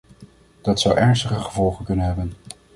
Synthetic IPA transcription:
d̥ɑtsʌwʔɛɹnstəχəχəvɔlˠχənkɵnənɦɛbən

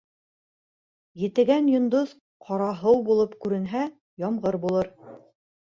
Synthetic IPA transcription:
jɘ̆t̪ɘ̆ɡænjŏnd̪oð | qʰɑɾɑɦɤwbulˠopkʉɾɘ̆nɦæ | jɑmʁɤɾbulˠɤɾ

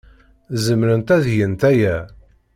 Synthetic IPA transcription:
zəmɾənt̪æðjənt̪æjæ

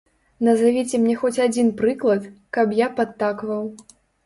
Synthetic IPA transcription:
nɐzavʲit͡sʲɛmnʲɛxɔt͡sʲad͡zʲinpɾɨklˠɐt̪kɐpjapat̪ːakvɐw

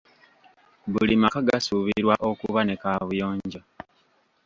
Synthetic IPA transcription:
βulimakaɡasuβiɾwaʔo̞kuβane̞kaβujoːɲɟa

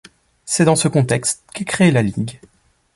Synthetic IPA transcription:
sɛd̪ɑ̃səkɔ̃t̪ɛkst̪kikχelaliɡ

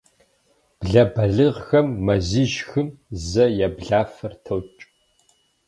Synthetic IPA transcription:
b̥ɮɐbɐɮɨʁxɐmːɐziʒxɨmzɐjɛbɮaːfɐrtʰɐwt͡ʃʼ

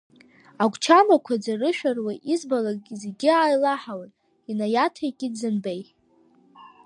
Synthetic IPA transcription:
aɡʷt͡ʃʰamakʷʰad͡zarɨʃᶣarwaʔizbalaɡʲzeɡʲiaːjlaħawanʼ | inajatʰajkʲʼidzɨnbej

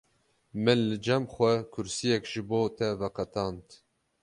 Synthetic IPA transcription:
mɨnlɨd͡ʒɛmxʷɛkʰʊɾsijɛkʒɨboːt̪ʰɛvɛqɛt̪ɑːnt̪

